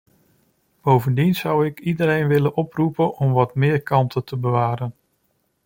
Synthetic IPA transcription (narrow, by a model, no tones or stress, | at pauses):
b̥owvəndinz̥ʌwɪkidəɾejnʋɪlənʔɔprupənʔɔmʋɑtmɪːɹkɑntʰətʰəbəʋaːɾən